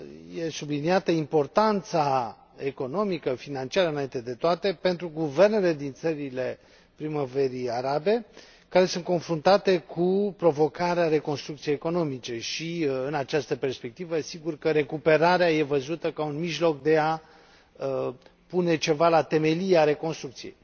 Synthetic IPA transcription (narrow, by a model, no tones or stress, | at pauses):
je̞subliniat̪əimpo̞rt̪ant̪sa | e̞ko̞no̞mikəfinant͡ʃiaɾəɨnaint̪e̞d̪e̞t̪oat̪e̞pe̞nt̪ɾuɡuve̞rne̞le̞d̪int̪səɾile̞ | pɾimave̞ɾiaɾabe̞ | kaɾe̞sunt̪ko̞nfɾunt̪at̪e̞kʰupɾo̞vo̞kaɾeaɾe̞ko̞nst̪ɾukt̪sijejeko̞no̞mit͡ʃe̞ʃiɨnat͡ʃast̪əpe̞rspe̞k̚t̪ivəsiɡurkəɾe̞kupe̞ɾaɾeaje̞vəzut̪əkaunmiʒlo̞kd̪e̞a | pune̞t͡ʃe̞valat̪e̞me̞lieaɾe̞ko̞nst̪ɾukt̪sije̞̰j